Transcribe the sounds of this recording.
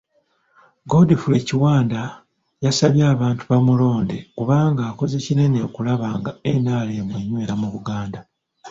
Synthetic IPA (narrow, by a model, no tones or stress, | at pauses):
ɡo̞difule̞ciwaːnda | jasaβjaːβaːntuβamulo̞ːnde̞kuβaːŋɡaːko̞ze̞cine̞ne̞okulaβaːŋɡaenaːle̞ːmweːɲwe̞ɾamuβuɡaːnda